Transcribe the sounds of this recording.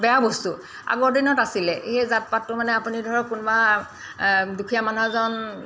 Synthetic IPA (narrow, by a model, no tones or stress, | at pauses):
bɛjabostu | a̰ɡɔɹdinɔtasilɛhezat̚patːʊmanɛapunidʱɔɹɔkunba | dukʰijamanuɦazɔn